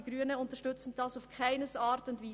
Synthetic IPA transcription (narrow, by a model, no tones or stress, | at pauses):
iɡ̥ɾyːənəʊntəʃtʏt͡sn̩d̥ɑsaʊfkʰaɪnəsɑːɾtʊndviː